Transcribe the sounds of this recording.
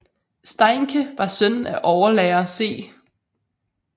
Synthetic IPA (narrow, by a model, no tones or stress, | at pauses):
sd̥ɑɪŋkʰəʋɑ̈sœn̰æʔɒʊɐlɛːɐse̝̰ː